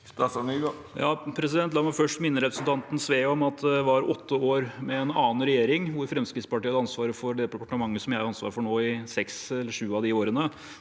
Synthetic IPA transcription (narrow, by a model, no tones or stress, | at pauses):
st̪ɑfɑnyɡo | jɑːpʰɾɛs̬ɪd̪ɛnt̪lɑːmɑfœʂʈmɪnːəɾɛpɾəsnt̪ʰɑnt̪n̩sʋeːɔmɑt̪̚d̪ɛʋɑɾɔt̪ʰːəoːɾmɛːnɑ̰ːn̩ɾɛjeːɾɪŋʋʊɾfɾɛmskɾɪt̪spɑʈiːɑd̪ɑnsʋɑːɾəfɔɾɖɛd̪ɛpɑʈəmɑŋːəsɔmjæɪɾɑnsʋɑ̰ːɾfɔɳoːɪsɛksɛlːəʂʉːɑʋd̪ɪoːɾənə